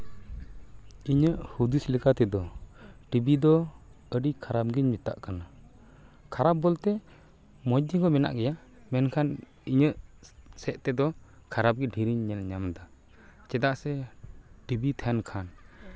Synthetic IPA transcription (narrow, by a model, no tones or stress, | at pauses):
iɲəʔhud̪uslikat̪ɛd̪ɔʈibid̪ɔ | əɖikʰaɾap̚ɡiɲmit̪a̰ʔkana | kʰaɾabbɔlt̪ɛ | mɔd̪iɡɔmɛna̰ʔɡɛja | mɛnkʰan | iɲəʔsɛʔt̪ɛd̪ɔkʰaɾab̚ɡiɖʱiɾiɲːɛlɲamd̪a | t͡ʃɛd̪aʔsɛʈibit̪ʰɛnkʰan